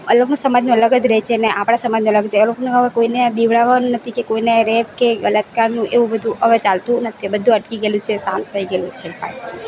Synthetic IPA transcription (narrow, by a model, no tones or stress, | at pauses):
ələɡnũsəmad͡ʒnũələɡəd̪ɾəɦt͡ʃʰeneʔapɽ̃asəmad͡ʒnuələɡət͡ʃʰeəlokonekəakoinead̪iʋɭaʋanũnət̪ʰikekoineɾeʋkeɡələt̪kaɾnũʔeʋũbəd̪ʱũʔəʋət͡ʃalt̪ũnət̪ʰibəd̪ʱũəʈkiɡelũt͡ʃʰesã̰nt̪̚ʰt̪ʰəiɡelũt͡ʃʰepa̰